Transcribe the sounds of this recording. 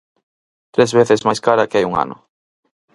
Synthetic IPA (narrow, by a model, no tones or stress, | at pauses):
t̪ɾezβeθɪzmajskaɾɐkɪajuŋa̰nʊ̰